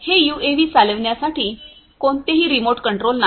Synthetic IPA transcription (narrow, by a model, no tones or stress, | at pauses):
hejuːeʋiːt͡saləʋɳjasaʈiː | koɳt̪eɦiːɾimoʈkəɳʈɾolna